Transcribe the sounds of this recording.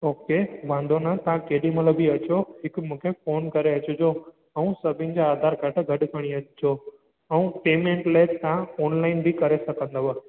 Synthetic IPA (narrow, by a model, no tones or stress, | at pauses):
oːkeʋãːnd̪ʱonɐt̪ɐɦãkeːɗimɐləbʱiɐt͡ɕoɦɪkmũːkʰefoːnkɐɾeɐt͡ɕʊd͡ʑo | ɛũsɐbʱɪ̃nɪ̆d͡ʑaaːd̪ʱaːɾɡʱɐʈɡʱɐɗkʰɐɽ̃iɐt͡ɕd͡ʑoː | ɛũpeːmẽɳʈleːt̪ãɔːnlaːɪnbʱɪkɐɾesɐkʰə̃nd̪əʋa